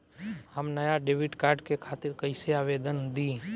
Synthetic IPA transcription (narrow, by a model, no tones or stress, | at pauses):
həmnəjaɖeːʋɪʈkaːɾɖkekʰaːt̪ɪɾkəɪseaːʋeːd̪ənd̪i